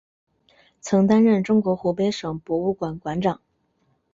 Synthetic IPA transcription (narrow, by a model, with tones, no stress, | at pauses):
t͡sʰɤ˧˥ŋt̪a˥nɻə˥˩nʈ͡ʂʊ˥ŋkwɔ˧˥xu˧˥pe˥ɪʂɤ˨˩ŋpwɔ˧˥u˥˩kwa˨˩nkwa˧˥nʈ͡ʂɑ˨˩˦ŋ